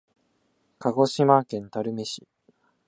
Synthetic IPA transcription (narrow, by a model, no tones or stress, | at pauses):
kʰaɡo̞ɕimaːkẽ̞nt̪aɾɯ̟me̞ɕi